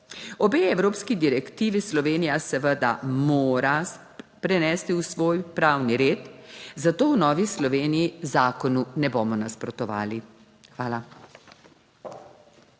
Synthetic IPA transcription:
ɔbeɛwɾoːpskid̪iɾɛkt̪iːʋislɔʋeːnijasɛʋəd̪a̰moːɾa | pɾɛnɛːst̪iwsʋoːjpɾaːwniɾeːt̪zat̪oːwnɔːʋislɔʋeːnijizaːkɔnunɛboːmɔnaspɾɔt̪ɔʋa̰ːli | xʋaːla

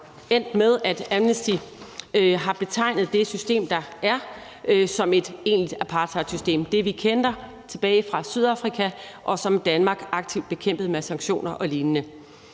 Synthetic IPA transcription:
en̰d̥með̞ˠæd̥æmnəsd̥i | ɦɑ̈b̥e̝t͡sʰɑ̈ɪ̰nð̩ˠd̥e̝sysd̥e̝̰ːmd̥ɑ̈æɐ | sɒ̽me̝d̥e̝̰ːnlid̥æpʰɑ̈ːt͡sʰɐ̥sysd̥e̝̰ːmd̥e̝ʋikʰend̥ɐ | t͡sʰe̝b̥ɛːɪfʁɑ̈syð̞ˠɑfʁikʰæʔɒ̽sɒ̽md̥ænmɑ̈ːɡ̥ɑ̈ɡ̥̚t͡sʰiʊ̰d̥b̥e̝kʰem̰b̥ð̞̩ˠmesɑ̈ŋɡ̥ɕo̝̰ːnɐʔɒ̽liːnənə

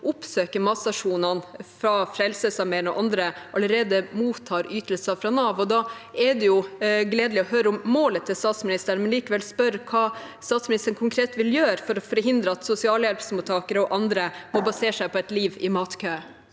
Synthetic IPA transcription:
ʊpsøːkəmɑsɑʂuːnɑnfɾɑfɾɛlsəsɑɾmɛːənɔ̰ʔɑnd̪ɾəʔɑləɾeːd̪əmuːt̪ʰːɑːɾyːt̪əlsɑfɾɑnɑːʋɔd̪ɑːɛd̪ɛjʊɡleːd̪lɪɔhøːɾəʊmːoːlət̪ʰːɪlst̪ɑːt̪smɪnɪst̪əɾɳmɛnliːkəʋɛlspœɾkʰɑːst̪ɑːt̪smɪnɪst̪əɾnkʰʊŋkʰɾeːt̪ʋɪljøːɾfɔɾɔfɔɾhɪnd̪ɾəɑt̪sʊsɪɑːljɛlpsmʊt̪ʰɑːkəɾəɔʔɑnd̪ɾəmɔbɑseːʂæɪpʰɔɛt̪liːʋɪmɑːt̪kʰøː

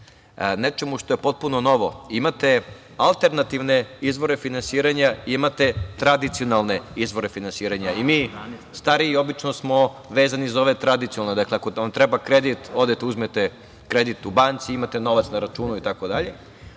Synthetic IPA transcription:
net͡ʃe̞muʂt̪o̞je̞po̞t̪̚punono̞ʋoimat̪e̞ | alˠt̪e̞ɾnat̪iʋne̞izʋo̞ɾe̞finansiːɾaɲaiimat̪e̞t̪ɾad̪it̪sijonalˠne̞izʋo̞ɾe̞finansiːɾaɲaimiːst̪aɾiiːo̞bit͡ʂno̞smo̞ | ʋeːzanizo̞ʋet̪ɾad̪it̪ionalˠned̪akleakoont̪ɾɛbakɾed̪it̪o̞d̪et̪euzmet̪e | kɾed̪it̪ubant̪siimat̪eno̞ʋat̪snaɾat͡ʃuːnuit̪ako̞d̪aʎe̞

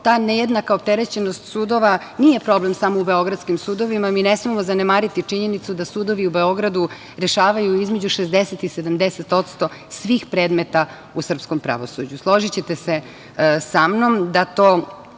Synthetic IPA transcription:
t̪aːneje̞d̪nakaop̚t̪eɾe̞t͡ɕe̞nost̪suːd̪o̞ʋa | nije̞pɾo̞ble̞msamoube̞o̞ɡɾad̪skimsuːd̪o̞ʋimaminesmimozanemaːɾit̪it͡ʂiɲe̞nit̪sud̪asuːd̪o̞ʋiubeo̞ɡɾad̪u | ɾe̞ʃaːʋajuizmed͡ʑuʃezd̪eset̪ised̪amd̪eset̪o̞t̪st̪o̞sʋiːxpɾe̞ːd̪met̪a | usr̩psko̞mpɾa̰ʋo̞sud͡ʑuslˠo̞ʒit͡ɕet̪ese | samno̞md̪at̪oː

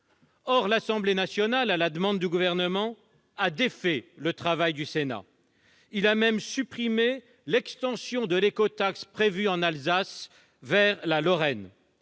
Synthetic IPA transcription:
ɔʁlasɑ̃blenasjɔnalalad̪əmɑ̃d̪ːyɡuvɛʁnəmɑ̃ | ad̪efɛlət̪χavajd̪ysena̰ | ilamɛmsypχime | lɛkst̪ɑ̃sjɔ̃d̪əlekɔt̪akspχevyɑ̃nalzas | vɛʁlalɔʁɛn

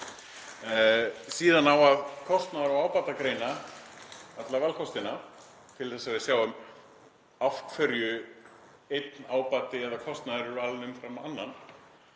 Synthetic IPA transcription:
siːðanawaðkʰɔst̪naðɾɔaːwpaːt̪akɾeːjna | at̪lavalkʰɔst̪ɪna | t̪ʰɪlθɛsːavɪðsjaːwʏm | afkfœɾjʏ | ejt̪naːwpat̪ɪɛðakʰɔst̪naðɾʏɾalnʏmfɾamanːan

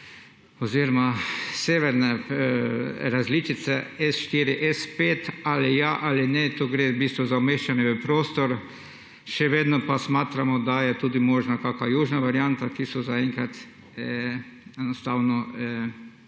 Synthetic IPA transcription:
ɔziːɾɔmaseːʋɛɾnɛ | ɾazlit͡ʃit̪sɛɛsʃt̪iːɾiʔɛspeːt̪alɪjaʔalɪnɛt̪oɡɾebiːst̪ʋɔzaɔmeːʃt͡ʃanɛʋəpɾoːst̪ɔɾ | ʃɛʋeːd̪nɔpasmaːt̪ɾamɔd̪ajɛt̪uːd̪imɔːʒnakaːkajuːʒnaʋaɾjant̪akisɔzaɛŋkat̪ | ɛnɔst̪aːwnɔ

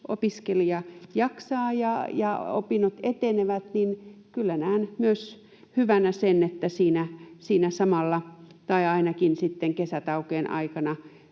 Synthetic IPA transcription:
ʔo̰piskeliɑjɑksɑːjɑjɑ̰o̰pinot̪et̪eneʋæt̪ninkylːænæːnmyøs | hyʋænæsenet̪ːæsiːnæsiːnæsɑmɑlːɑt̪ɑiɑinɑkinsit̪ːeŋkesæt̪ɑukeːnʔɑ̰ikɑnɑ

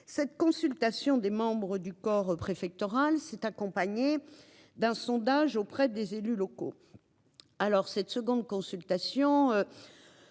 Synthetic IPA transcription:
sɛt̪kɔ̃sylt̪asjɔ̃d̪emɑ̃bʁəd̪ykɔʁpχefɛk̚t̪ɔʁalsɛt̪akɔ̃paɲe | d̪ɛ̃sɔ̃d̪aʒopχɛd̪ezelylɔko̰ | alɔʁsɛt̪səɡɔ̃d̪̚kɔ̃sylt̪asjɔ̃ø

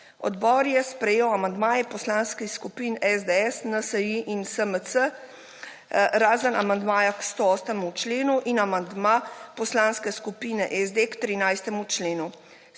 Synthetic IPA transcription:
ɔ̰d̪bɔːɾjɛspɾɛjeːwamand̪maːjɛpɔslanskiskupiːnɛzd̪eɛsnasəjiʔinsəməsə | ɾaːzəna̰mand̪maːjakst̪oɔːsnɛmut͡ʃleːnuʔinamand̪mapɔslanskɛskupinɛʔɛzd̪ekt̪ɾinajst̪ɛmut͡ʃleːnu

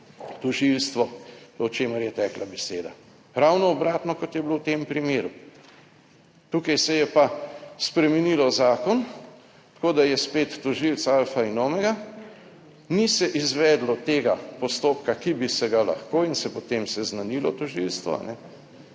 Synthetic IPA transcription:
t̪ɔʒilst̪ʋɔɔt͡ʃeːməɾjɛt̪ɛːklabɛseːd̪a̰ | ɾawnɔːbɾaːt̪nɔkɔt̪jɛblowt̪eːmpɾimeːɾu | t̪uːkajsɛjɛpaspɾɛmɛnilɔzaːkɔn | t̪ḁkoːd̪ajɛspeːt̪ːɔʒilt̪salfainoːmɛɡa | nisɛʔizʋɛːd̪lɔt̪eːɡapɔst̪oːpkakibisɛɡala̰xkoːinsɛpɔt̪emsɛznanilɔt̪ɔʒilst̪ʋɔ̰a̰nɛ

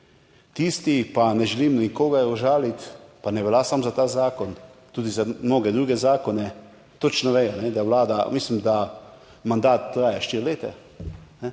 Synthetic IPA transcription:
t̪iːst̪ipanɛʒɛliːmnikoːɡaɾɔʒaːlit̪panɛʋɛlaːsamzat̪aːzaːkɔnt̪uːd̪izamnoːɡɛd̪ɾuːɡɛzaːkɔnɛ | t̪ot͡ʃnɔʋɛjɔnɛd̪awlaːd̪amislimd̪a | mand̪aːt̪ːɾaːjaʃt̪iːɾleːt̪ɛ | nɛ

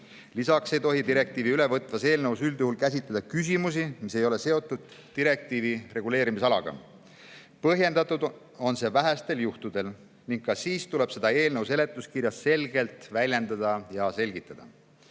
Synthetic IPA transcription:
lisɑkse̞jt̪o̞ɦid̪iɾe̞k̚t̪iːviyle̞vɤt̪ːˑvɑse̞ːlnevusyld̪̥juhulkæs̬it̪ˑled̪ɑkys̬ʲimus̬imise̞jo̞le̞se̞o̞t̪ːˑud̪̥̚ːiɾe̞k̚t̪iːvire̞ɡule̞ːɾimisɑlɑɡ̥ɑ̰ | pɤɦje̞nd̪ɑt̪ːˑud̪ | o̞nse̞ːvæɦæst̪e̞ljuht̪ud̪̥e̞l | niŋɡ̥̚kːɑsiːst̪ule̞b̥se̞d̪̥ɑe̞ːlne̞wse̞le̞t̪ːˑuskiɾjɑsːe̞lɡe̞lt̪vælʲje̞nd̪ɑd̪̥ɑjɑse̞lʲɡ̥it̪ːˑɑd̥̪ɑ̰

